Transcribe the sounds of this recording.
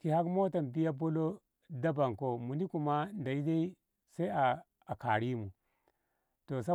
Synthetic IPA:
ki˨ha˦kmo˦ta˨nbi˦ja˦bo˦lo˦ | da˦ba˨ŋko˨mu˨ni˦ku˨ma˦nda˨i˦da˦i˦ | sa˦i˦aː˨ | ka˨ɾi˦mu˨ | to˨s̬a˦

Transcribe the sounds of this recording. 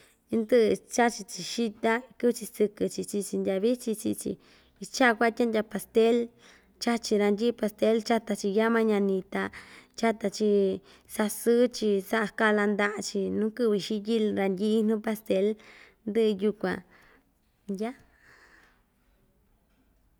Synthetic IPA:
nd̪ɨ˦ʔɨ˧t͡ʃa˦t͡ʃi˧t͡ʃi˨ʃi˦t̪a˦˧kɨ˦βɨ˧t͡ʃi˧sɨ˧kɨ˧t͡ʃi˧t͡ʃi˧t͡ʃi˧ndʲa˧βi˦t͡ʃi˧t͡ʃi˧t͡ʃḭ˧ | i˧t͡ʃa˦˧kʷa˦˧tʲa˦ndʲa˧pa˧st̪e˦l | t͡ʃa˦t͡ʃi˧ɾa˧ndʲi˦pa˧st̪e˦lt͡ʃa˦t̪a˧t͡ʃi˧ja˦mã˦ɲã˧nĩ˧t̪a˧t͡ʃa˦t̪a˧t͡ʃi˧ | sa˧sɨ˦t͡ʃi˧sa˦ʔa˧˨ka˦˧la˧nd̪a˧ʔt͡ʃi˧nũ˦kɨ˦˧βi˧ʃi˦ji˦lɾa˧nd̪ʲi˧˦n̥ũ˦pa˧st̪e˧˦l | nd̪ɨ˦ʔɨ˧ju˧kʷã˨˧ | nja˦

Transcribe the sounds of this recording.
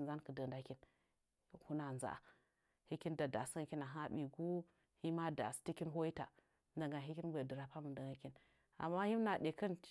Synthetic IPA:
za˦nkə˨də˨nda˨ki˦n˦ | hu˦na˨za̰˨ | hi˦ki˦nda˨da˨sŋ˦kʲi˦na˨ɦa˦ɓi˨ɡu˦ | hi˦ma˦da̰˨sti˦ki˦nɦo˦ji˦ta̰˨ | nda˨ŋɡa˨ɦi˦ki˦nɡʷe˨də˨ɾa˨pa˦mu˨də˨ŋa˨˦kʲi˦n | a̰˨mːa˦hi˦m˦na˨de˨kə˦n

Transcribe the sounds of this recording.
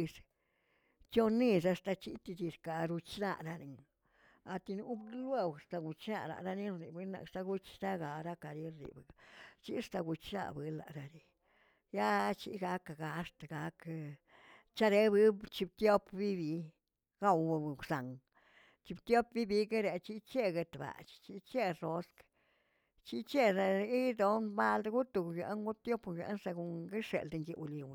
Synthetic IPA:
s | t͡ʃo˦ni˧sa˧st̪a˧t͡ʃḭ˦t̪i˧d̪i˧ɾka˨ɾu˧t͡ʃna̰˧˨ɾa˧ɾi˨ŋ | a˧t̪i˧nu˧˦blwe˦wst̪a˧ɡu˨˧t͡ʃna̰˦˧la̰˨ɾa˦ni˦i˨bɨ˧˦na̰˨kst̪a˧ɡu˦t͡ʃɾa˦ɡa˨ɾa˦ka˨ɾi˦ɾḭ˨bɨ˨t͡ʃi˦st̪a˧ɡu˧t͡ʃna̰˧bɨ˧la̰˨ʔɾa˧ɾi˧ | ja˦t͡ʃḭ˦ɡa˧˦ka˨ɡa˨˧st̪a˨ɡa˧k | t͡ʃa˦ɾe˦bɨ˦bt͡ʃi˧b̚t̪jo˦pbi˦bi˧ | ɡa˦˧wa˧˨sa˨ŋ | t͡ʃi˧bt̪jo˦p̚bi˦bi˦ɡe˦ɾe˨t͡ʃi˦t͡ʃe˦ɡe˧t̪ba̰˨t͡ʃt͡ʃi˦t͡ʃe˦ro˦sk | t͡ʃi˦t͡ʃe˦a˧i˦d̪o˦nba˦ld̪ɡu˦t̪u˧˨kɡjḛ˨˧nɡu˦t̪jo˦pjʲʷḛ˧˦nsa˧ɡu˨ŋɡi˦ʂḛ˨ld̪ŋɡi˧ʔu˧li˧wn˨

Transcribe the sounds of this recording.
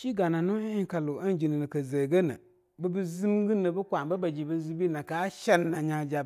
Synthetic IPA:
ʃi˦ɡa˨na˨nʊ˦ɪ˦ŋ˦ka˨lʊ˨a˦n˦d͡ʒi˨nɨ˨nɨ˨kə˨ze˨ɡə˦na̰˨ | bə˦bɨ˦zɨ˦m˦ɡɨ˦nɨ˨bɨ˦kʷa˨mba˦ba˨d͡ʒi˨bə˦zi˦bi˦na˨ka˦ʃɛ˦nː˦a˨ɲa˨d͡ʒa˨

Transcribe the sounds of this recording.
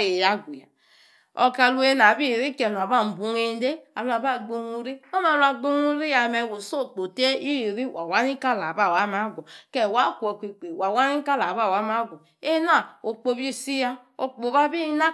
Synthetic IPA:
e˨ja˦ɡʷi˨ja˨ | o˨ka˨lu˦e˦na˨bi˦˨ɾi˦ke˨nu˨a˨ba˦˨m̩˨bu˨ŋe˦n˦de˦a˨lu˨˦a˨ba˦˨ɡ͡bo˦nu˦ɾi˦o˦ma˨la˨ɡ͡bo˦nu˦ɾi˦ja˨me˨wo˨so˦˨k͡po˨te˦i˦˨ɾi˦wʔa˨wa˦ni˦ka˦la˨ba˦˨wa˦ma˦ɡʷo˨ke˨wa˦kʷo˨ki˨k͡pe˨wa˨wa˦ni˦ka˦la˨βa˦˨wa˦ma˦ɡʷo˨ | e˦na˨o˨k͡po˨bi˦si˦ja˦ | o˨k͡po˨βa˦bi˦na˦

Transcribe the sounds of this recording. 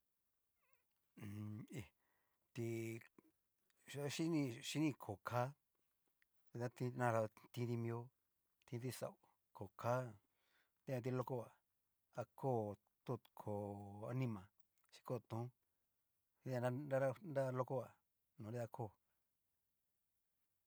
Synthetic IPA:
i˨ | t̪i˧˦ | ʃi˦nĩ˧ʃi˦nĩ˧kʰo˨kʰa˨˦ | i˧t̪ã˦t̪ĩ˧nã˧ɾa˧t̪ĩ˧˦d̪i˧mĩ˧o˦ | t̪ĩ˧˦t̪i˧sa̰˨u˨ | ko˨kʰa˦ | t̪ẽ˦ã˧t̪̬i˧lo˦ko˦a˨ | a˧kʰo˦˨ | t̪u˦˨kʰo˨a̰˧nĩ˦mã˨ | ʃi̥˧ko˦˨t̪ũ˨˦ | ĩ˧˦ã˧a˦na˦ɾa˦nda˦˧lo˦ko˦a˨ | nũ˨i˦a˧kʰo˦˨

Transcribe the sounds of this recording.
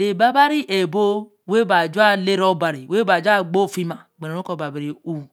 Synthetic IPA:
le˨ba˦ba˦ɾi˦ʔe˨bo˦ | we˦ba˨d͡ʒu˦a˦le˦ɾɔ˦ba˨ɾi˨we˦ba˨d͡ʒu˦a˦ɡ͡bo˦˨fi˦ma˨ɡ͡be˨e˨o˦ko˦˨ba˨be˨ɾi˨u˨

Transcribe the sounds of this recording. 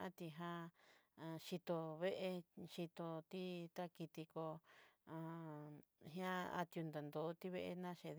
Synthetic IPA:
a˦t̪i˧ɦã˧ã˧ʃi˧t̪o˧βe˦ʔe˧ʃi˧t̪o˧t̪i˦t̪a˦ki˧t̪i˧ko˧ã˧ | ɦj̃ã˦a̰˧t̪ju˧nd̪a˨nd̪o˨˦t̪i˦βe˦˧ʔe˧nã˦ʃe˧

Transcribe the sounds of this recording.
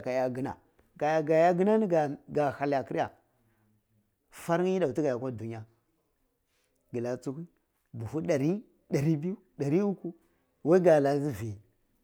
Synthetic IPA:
ka˨ja˦ɡi˦na̰˨ | ɡa˨ja˨ɡa˨ja˦ɡə˦na˦n˦˨ɡa˨ha˨la˨ki˦ɾja˨ | fa˦ɾi˦da˨u˨ti˦ɡa˨ja˨kʷa˦˨du˨ɲ˦a˦ | ɡi˨la˨t͡su˦ku˦n | bu˨fu˦ɗa˨ɾi˦ | da˨ɾi˦bi˦ju˦da˨ɾi˦u˦ku˦ | wa˦i˦ɡa˨la˨˦zi˦vi˨

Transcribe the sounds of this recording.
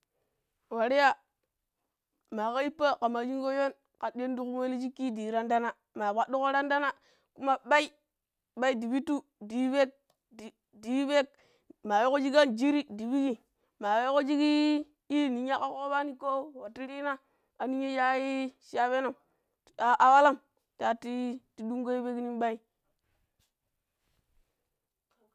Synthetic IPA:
wa˨ɾi˦ja˨ | ma˨ka˦i˦pːa˦ka˨ma˨d͡ʒi˦ŋɡo˦jo˦n | ka˨de˦ndu˦ku˦we˦li˦d͡ʒi˦kːi˦di˨ɾa˦nda˦na˨ | ma˨ba˨do˦ko˦ɾa˦nda˦na˦ | ku˦ma˦ɓa˦i˦ | ɓa˦i˦di˨bi˦tu˦ | di˨˦we˦k̚ | d | di˨˦we˦k̚ | ma˨jo˦ko˦d͡ʒi˦ɡa˦nd͡ʒi˦ɾi˦di˨bi˦ɡi˨ | ma˨we˦ko˦d͡ʒi˦ɡi˦ | i˦˨ni˨˦ɲa˦ka˦ko˦ba˦ni˨ko˦wa˨ti˦ɾi˦na˦ | a˨ni˦ɲe˦ja˦i˦ʃa˦be˦no˨ | a˨ʔa˨wa˦la˦˨m | ta˨ti˦ti˦du˦ŋɡo˦i˦be˦ki˦ni˦nɓa˦i˦

